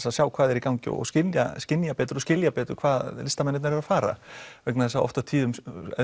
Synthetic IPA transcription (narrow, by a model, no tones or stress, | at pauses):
saðsjaːwkʰvaːðɛɾikawŋcɪ̰ɔ̰ɣscɪlja̰scɪnjapɛːt̪ɾɔscɪljapɛːt̪ʏɾkʰvaːðlɪst̪amɛnːɪt̪naɾɪɾafaːɾa̰vɛknaθɛsːaɔ̰ft̪at̪ʰiːðʏm̰